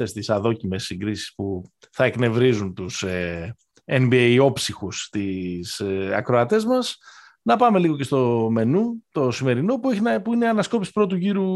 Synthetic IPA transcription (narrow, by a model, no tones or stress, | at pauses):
est̪isɐðo̞cime̞siŋɡɾisi̥spu | θɐekne̞vɾizunt̪use | embiejo̞psixust̪isɐ̰kɾo̞ɐt̪e̞zmɐs | nɐpɐme̞liɣo̞cest̪o̞me̞nut̪osime̞ɾino̞pueçinɐpuineɐnɐsko̞pisi̥pɾo̞t̪̬uʝiɾu